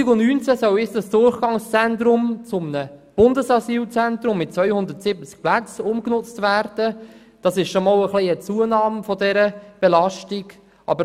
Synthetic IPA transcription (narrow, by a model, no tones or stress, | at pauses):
ɪɡlʊnnyːnt͡səsɔwɪt͡sd̥ɑsd̥ʊrχɡ̥ɑŋst͡sɛntɾʊmt͡sʊmənəb̥ʊndəsɑsyːlt͡sɛnt̪ɾʊmːɪt̚t͡svœʏhʊnd̪ətsɪbət͡sk̚plæt͡sʊmknʊt͡stvæːrd̥ə | d̥ɑsɪʃʃomɑːləχliət͡suənɑːmfɔdɛɾəb̥ɛlɑʃtiɡ | ɑ̰bə